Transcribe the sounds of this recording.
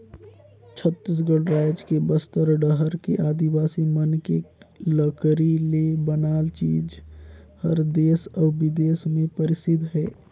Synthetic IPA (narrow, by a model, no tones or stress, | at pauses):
t͡ʃʰət̪ːis̬ɡəɽɾaːɪd͡ʒkebəst̪əɾɖəɦəɾkeʔaːd̪iwaːsimənkeləkɾilebənaːlt͡ʃiːd͡ʒ | həɾd̪eːsɔːbɪd̪eːsmẽpəɾɪsɪd̪ʱɦɛː